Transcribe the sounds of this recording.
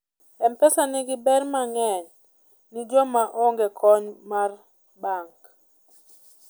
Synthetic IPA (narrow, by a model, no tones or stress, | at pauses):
ɛmpɛsanɪɡɪbɛrmaŋɛɲ | nɪd͡ʒɔmaʔɔŋɡɛkʰɔɲmar | baŋk